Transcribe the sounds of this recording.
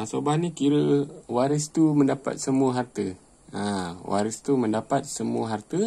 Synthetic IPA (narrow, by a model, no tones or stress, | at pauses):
asobahnikiɾəwaɾəst̪umə̃ndapa̰t̪̚səmuəɦart̪ə | ãwa̰ɾəst̪umə̃ndapat̪̚səmuəɦart̪ə